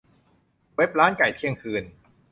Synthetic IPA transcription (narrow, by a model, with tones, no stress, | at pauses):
we˦˥p̚ɾaː˦˥nka˨˩jk̪ʰi˥əŋkʰɯː˧n